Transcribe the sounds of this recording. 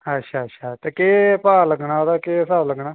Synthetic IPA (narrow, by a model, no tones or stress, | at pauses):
ətːʃʰaːətːʃʰaːt̪eːkeːpaːləɡnaːoːd̪aːkeːsaːbləɡnaː